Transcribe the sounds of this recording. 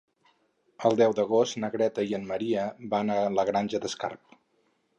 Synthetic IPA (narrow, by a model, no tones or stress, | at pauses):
əlˠd̪ɛwd̪əɣ̞ost̪nəɣɾɛt̪əiənməɾiəbanələɣɾanʲʒəd̪əska̰rp̚